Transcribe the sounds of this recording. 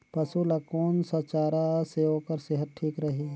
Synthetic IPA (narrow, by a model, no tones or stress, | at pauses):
pɐsulɐkoːnsɐt͡ʃaːɾaseoːkəɾseɦət̪̚ʈʰiːkɾɐɦi